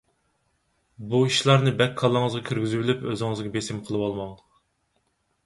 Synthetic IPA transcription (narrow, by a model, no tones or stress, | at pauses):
buiʃlˠɑɾnɨbɛkʲʰːɑlˠːəŋɨzʁɑkʲʰyɾɡʲyzybylypøzɪŋɨzɡʲɛbesɪmqʰəlˠɨwɑlˠmɑŋd̪əq